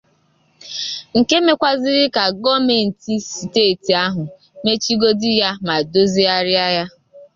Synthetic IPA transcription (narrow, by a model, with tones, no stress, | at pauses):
ŋ̩˨ke˦me˦kʷa˨zɪ˦ɾɪ˦ka˨ɡɔ˦me˨n̩˨ti˦si˨teː˦˨ti˨a˦ɦʊ˨ | me˦t͡ʃi˦ɡo˦dɪ˦ja˦ma˨do˦zi˦a˦ɾɪ˦a˦ja˦